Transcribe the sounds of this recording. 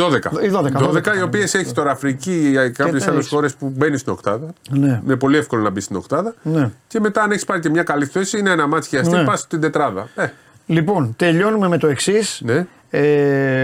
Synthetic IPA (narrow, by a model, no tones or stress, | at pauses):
ðoðekɐ̰iðoðɐðoðekɐio̞pie̞se̞çi̥t̪o̞ɾɐfɾicikɐpçesɐlesxo̞ɾe̞spube̞nist̪ino̞̰kt̪ɐðɐneinepo̞liefko̞lo̞nɐbist̪ino̞kt̪ɐðɐnce̞me̞t̪ɐːneçi̥spɐɾicemɲɐkɐliθe̞siineenɐmɐt̪çiɐsipɐst̪ind̪e̞t̪ɾɐðɐ̰e | lipo̞nt̪e̞ʎo̞nume̞me̞t̪oeksisne | e